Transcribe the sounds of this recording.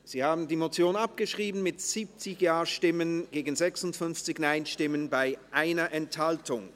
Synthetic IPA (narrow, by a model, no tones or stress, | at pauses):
z̥iːhaːbn̩diːmot͡sjoːnap̚ɡ̥əʃʁ̥iːbn̩mɪtz̥iːp̚t͡sɪçjaːɐʃtɪmənɡ̥eːɡn̩zɛksʊntfʏnft͡sɪçnaɪnʃtɪmənbaɪʔaɪnɐʔɛnthaltʊŋ